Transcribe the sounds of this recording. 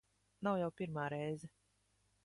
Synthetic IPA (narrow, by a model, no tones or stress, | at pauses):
nawjawpiɾmaːɾɛjzɛ